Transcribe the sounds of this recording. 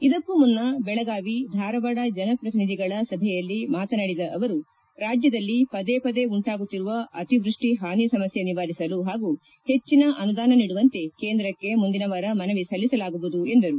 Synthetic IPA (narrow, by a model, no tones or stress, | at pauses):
id̪ɐkːumunːɐbɛɭɐɡaːʋid̪ʱaːɾɐʋɐɽɐd͡ʒɐnɐpɾɐt̪inid̪iɡɐɭɐsɐbʱɛjɐlːimaːt̪ɐnɐɽid̪ɐʔɐʋɐɾu | ɾaːd͡ʒjɐd̪ɐlːipɐd̪eːpɐd̪e̞uɳʈaːɡut̪ːiɾuʋɐɐt̪iʋɾuʂʈiɦaːnisɐmɐsjeniʋaːɾisɐluɦaːɡu | he̞t͡ʃːinɐʔɐnud̪aːnɐniːɽuʋɐnt̪e̞ke̞ːnd̪ɾɐkːe̞mund̪inɐʋɐɾɐmɐnɐʋisɐlːisɐlaːɡubud̪ue̞nd̪ɐɾu